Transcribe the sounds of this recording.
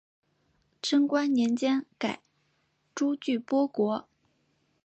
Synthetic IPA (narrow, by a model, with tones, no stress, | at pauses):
ʈ͡ʂʰɤ˥ŋkwa˥nnjɛ˧˥nt͡ɕjɛ˥nka˨˩ɪ | ʈ͡ʂu˥t͡ɕy˥˩pwɔ˥kwɔ˧˥